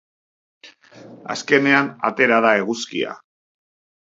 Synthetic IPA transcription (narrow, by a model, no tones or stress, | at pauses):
a̰ske̞ne̞ana̰t̪e̞ɾaðae̞ɣuskia̰